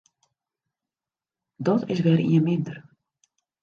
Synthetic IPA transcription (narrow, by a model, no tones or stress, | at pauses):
dɔtʰɪ̰sʋɛrḭənmɪndər